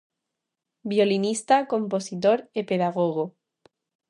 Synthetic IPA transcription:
bjolinist̪akompo̞sit̪oɾepeðaɣ̞oɣo

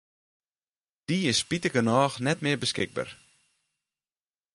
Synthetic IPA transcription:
d̥iɪspitəkənɔːxnɛtmɪəɹbəskɪɡ̚ba̰r

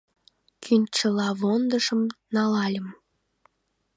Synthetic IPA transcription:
kʰynʲt͡ʃəlɑβond̪əʃəmnɑlɑlʲəm

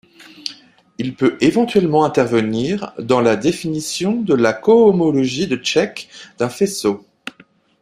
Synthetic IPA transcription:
ilpøevɑ̃t̪ɥɛlmɑ̃ɛ̃t̪ɛʁvəniʁd̪ɑ̃lad̪efinisjɔ̃d̪əlakɔːmɔlɔʒid̪ət͡ʃɛkd̪̥ɛ̃feso

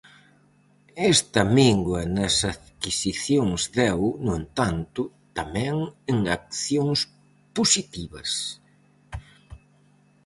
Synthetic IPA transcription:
ɛst̪ɐmiŋɡwɐnɐsaðkisiθjoŋzðɛwnʊent̪ant̪ʊ | t̪amɛ̃ŋeŋak̚θjoŋs | posit̪iβɐ̰s

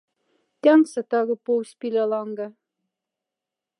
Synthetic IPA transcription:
t̪ʲɑŋsɘ̆t̪ɑɣɤ̆powsʲpʲilʲelˠɑŋɡɑ̆

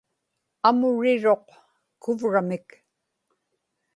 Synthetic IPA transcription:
amʊɻɪɻo̞q | kʊvɻamɪk

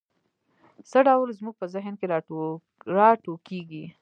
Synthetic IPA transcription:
səɖawlzmuɡ̚pəzɪɦnkeɾɑ | ɾɑʈokeɡi

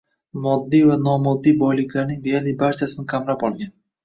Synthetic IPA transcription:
mɒd̪ːijvanɒmɒd̪ːijbɒjlˠɪkʲlaɾnɪŋd̪e̞jaɾlɪbaɾt͡ʃʰasɪnɪqʰamɾapɒlˠɡʲan

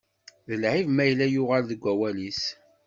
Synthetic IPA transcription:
ðəlʕivmæjəlːæjʊʁalðəɡʷːæwælis

